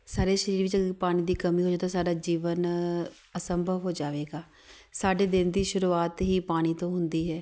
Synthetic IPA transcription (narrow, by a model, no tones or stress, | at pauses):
saːɾeːʃəɾiːɾʋɪt͡ʃəɡəpaːɽ̃iːd̪iːkəmiːɦoːd͡ʒaːt̪asaːɖaːd͡ʒiːʋən | əsəmbʱəʋɦoːd͡ʒaːʋeːɡaː | saːɖeːd̪ɪnd̪iːʃʊɾuːaːt̪ɦiːpaːɽ̃iːt̪õːɦʊnd̪iːɦɛː